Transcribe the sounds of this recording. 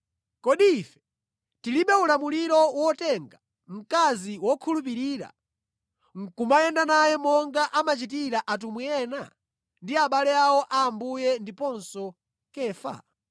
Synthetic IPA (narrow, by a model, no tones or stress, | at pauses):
kɔɗifɛ̥ | tiliɓɛulamuliɾɔwɔtɛŋɡa | m̩kaziwɔkʰulup̬iɾiːɾa̰ | ŋ̩kumajɛndanajɛmɔŋɡaʔamat͡ʃit̬iɾaʔat̬umujɛna̰ | ndiaɓalɛawɔʔaːmbujɛndipɔnsɔ | kɛːfa̰